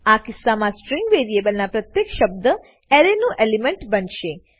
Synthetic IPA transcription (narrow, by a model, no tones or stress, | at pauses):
akɪsːamãsʈɾiŋɡʋeɾiebəlnapɾət̪jekʃəb̚d̪ə | ɛɾenũʔelimeɳʈbənʃe